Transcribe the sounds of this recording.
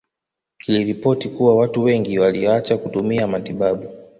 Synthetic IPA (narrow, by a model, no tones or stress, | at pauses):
kiliɾipɔtikuwawatuwɛŋɡiwaliɔat͡ʃakutumiamatiɓaɓu